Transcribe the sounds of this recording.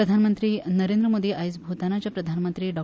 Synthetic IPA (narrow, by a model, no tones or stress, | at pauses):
ɾəd̪ʱanmənt̪ɾiːnəɾend̪ɾəmod̪iːʔajt͡sbʱot̪anat͡ɕjapɾəd̪ʱanmənt̪ɾiːɖɔ